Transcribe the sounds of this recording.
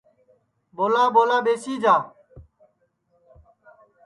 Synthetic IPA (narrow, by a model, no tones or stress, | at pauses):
ɓoːlaːɓoːlaːɓeːsiːd͡ʒaː